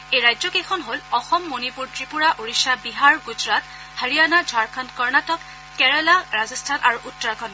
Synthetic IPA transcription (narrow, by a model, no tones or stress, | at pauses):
ejɹajzɔkexʰɔnɦolɔxɔmːonipuɹtɹipuɹaʔoɹisabiɦaɹɡuzɹat̚ | haɹijanad͡ʒʱwaɹkʰankɔɹnatɔkː | ɛɹɛlaɹazɔstʰanʔaɹuʔutːɔɹakʰɔn